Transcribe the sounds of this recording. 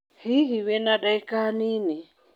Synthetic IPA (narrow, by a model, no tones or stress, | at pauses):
hiɦiwɛnaɗaikanini